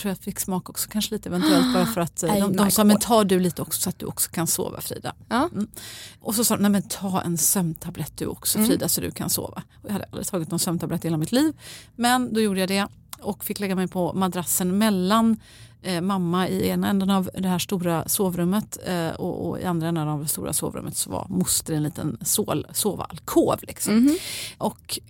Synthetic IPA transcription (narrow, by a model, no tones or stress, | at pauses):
t̪ɾuːjat̪fɪkːsmɑːkɔksɔ̥kʰanʂəliːt̪əɛvɛnt̪ʉɛlt̪bɑːɾafœɾat̪d̪ɔmd̪ɔmsɑːmɛnt̪ʰɑːɖɵliːt̪əɔksɔ̥sɔat̪̚d̪ɵ̰ʔɔ̰ksɔ̥kʰanso̰ːva̰fɾḭːd̪a̰ | ʔɔsɔsɑːd̪ɔmnɛjmɛnt̪ʰɑːɛ̰nsœmt̪ʰablɛt̪̚ːd̪ɵ̰ʔɔ̰ksɔfɾiːd̪asɔd̪ɵ̰kʰa̰nso̰ːva̰ɔjɑːhad̪əʔalɾɪt̪ʰɑːɡɪt̪nɔnsœmt̪ʰablɛt̪ːheːlamɪt̪liːvmɛnd̪ɔjuːɖəjad̪ɛ | ɔkfɪkːlɛɡːamɛjpʰɔmad̪ɾasːənmɛlːan | mamːaɪeːnaɛnd̪ənavd̪ɛhæːʂt̪uːɾasoːvɾɵmːət̪ɔ̰ɔ̰ɪ̰and̪ɾaɛnd̪ənavd̪ɛst̪ṵːɾa̰so̰ːvɾɵ̰mːət̪sɔva̰ɾmʊst̪əɛnliːt̪ə̰nsoːsoːva̰lkʰoːvlɪksɔmmʔɔk